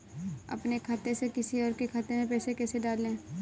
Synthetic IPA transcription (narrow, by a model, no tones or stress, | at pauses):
ɐ̰pnekʰaːt̪esekɪsiɔːɾkekʰaːt̪emẽpɛːsekɛːseɖaːlːẽː